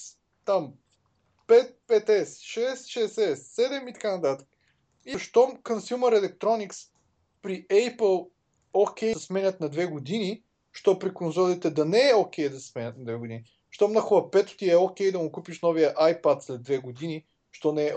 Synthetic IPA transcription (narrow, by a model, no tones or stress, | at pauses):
t̪am | pɛt̪̚pɛt̪ɛsʃɛsʃɛsɛsːɛd̪ɛmit̪ɐ̥kanɐt̪at̪ə̥k | iʃt̪ɔmkənsumɛɾɛlɛk̚t̪ɾɔniks | pɾiʔɛjpəlˠ | okʲɛjsmɛnʲət̪nɐd̪vɛɡʊd̪ini | ʃt̪ɔpɾikonzɔlit̪ɛd̪ɐnɛɛokʲɛjd̪ɐsɛ̥smɛnʲət̪nɐd̪vɛɡʊd̪ini | ʃt̪ɔmnɐxovɐpɛt̪ʊ̥t̪iɛokʲɛjd̪ɐmʊkupiʃnɔvijəʔajpat̪slɛd̪vɛɡʊd̪ini | ʃt̪ɔnɛɛ